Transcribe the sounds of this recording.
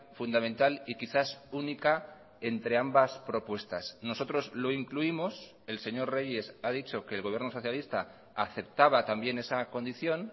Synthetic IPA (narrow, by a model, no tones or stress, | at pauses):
fund̪amẽ̞nt̪alikiθasunika | e̞nt̪ɾe̞ambaspɾo̞pwe̞st̪asno̞so̞t̪ɾo̞zlo̞iŋkluimo̞s | e̞lse̞ɲo̞rre̞ʝe̞sað̞it͡ʃo̞ke̞ːlɣoβje̞ɾno̞so̞θjalist̪a | aθe̞p̚t̪aβ̞at̪ambje̞ne̞sako̞nd̪iθjo̞n